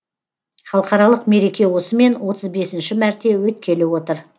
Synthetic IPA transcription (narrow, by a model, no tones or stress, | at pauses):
χɑlˠəqɑɾɑlˠəqme̞ɾe̞kʲe̞wo̞səme̞nwo̞t̪əzbe̞sɪnʃɪmæɾt̪ʰe̞wɵt̪̚kʲʰe̞lɪwo̞t̪əɾ